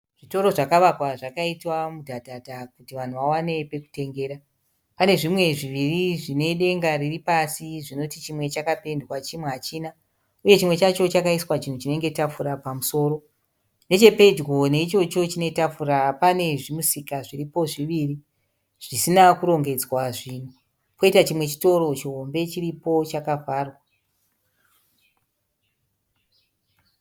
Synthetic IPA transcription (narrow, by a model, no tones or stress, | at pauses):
ʐ̥ito̞ɾo̞ʐakaʋakwaʐakaitwamudʱadʱadʱakutiʋan̤uʋawane̞pe̞ku̥te̞ŋɡe̞ːɾa | pane̞ʐimwe̞ʐiʋiriʐine̞ɗe̞ŋɡaɾiripasiʐino̞tit͡ʃimwe̞t͡ʃakape̞ndwat͡ʃimweat͡ʃiːna | uje̞t͡ʃimwe̞t͡ʃat͡ʃo̞t͡ʃakaiswat͡ʃin̤ut͡ʃine̞ŋɡe̞tafuɾapamuso̞ːɾo̞ | ne̞t͡ʃe̞pe̞d͡ʒɡo̞ne̞it͡ʃo̞t͡ʃo̞t͡ʃine̞tap͡fuɾapane̞ʐimusikaʐiripo̞ʐiʋiri | ʐ̥isinakuɾo̞ŋɡe̞d͡zwaʐin̤u | ko̞itat͡ʃimwe̞t͡ʃi̥to̞ɾo̞t͡ʃiɦo̞mbe̞t͡ʃiripo̞t͡ʃakafaːrwa